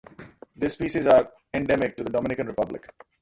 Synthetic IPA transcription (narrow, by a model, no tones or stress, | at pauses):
d̪ɪspiːsizaːɾ | ɛ̃ɳɖɛmɪk̚ʈud̪əɖɔːmɪnɪkə̃nɾɪpʌblɪ̰k